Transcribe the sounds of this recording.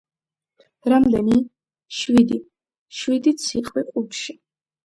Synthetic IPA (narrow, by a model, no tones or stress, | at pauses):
ɾamd̪ɛni | ʃwid̪i | ʃwid̪it̪sʰiqʼwiqʼut̪ʃi